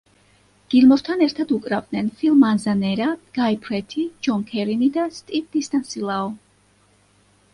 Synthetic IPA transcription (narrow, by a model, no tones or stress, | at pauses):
ɡ̥ilmɔɾt̪ʰanɛɾt̪ʰad̪ukʼɾavd̪̚nɛnfilˠmanzanɛɾaɡ̥aipʰɾɛt̪ʰid͡ʒɔŋkʰɛɾinid̪ast̪ʼip̚d̪̥ist̪ʼansilˠaɔ